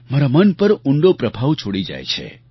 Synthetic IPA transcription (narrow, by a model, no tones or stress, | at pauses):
maɾamənpəɾuɳɖopɾəbʱaʋt͡ʃʰoɽid͡ʒa̰jt͡ʃʰḛ